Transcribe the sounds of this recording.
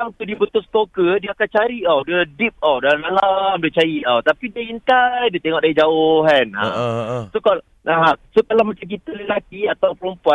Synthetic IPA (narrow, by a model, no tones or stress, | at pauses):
aŋt̪udiəbət̪ʊskokədiakant͡ʃaɾiʔɔwdədip̚ɔwdalnalamdiət͡ʃajiawt̪apidiəint̪ajdiət̪eŋɔʔdaid͡ʒaoɦana̰soka | asokalamat͡ʃamk̬it̪əlelak̪iat̪awpəɾumpuan